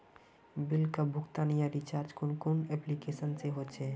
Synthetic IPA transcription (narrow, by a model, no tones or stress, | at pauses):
bɪlkabʱʊkt̪anijaɾit͡ʃaːɾd͡ʒkʊnkʊnɛplikeːsənseɦot͡ʃʰeː